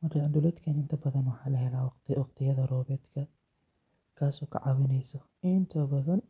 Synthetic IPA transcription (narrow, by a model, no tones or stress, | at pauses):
mɐrkʰad̪ʊlɛd̪kʰɐnɪnt̪ʰɐbɐðɐnwɑħɑːlɐɦɛlaːwɑq̪wɑqt̪ʰɪjɐðɐrɔːβɛːd̪kʰɐ | kʰaːsɔːkʰɐ̰ʕɑwɪnɛjsɔ | ʔɪnt̪ʰɐbɐðɐn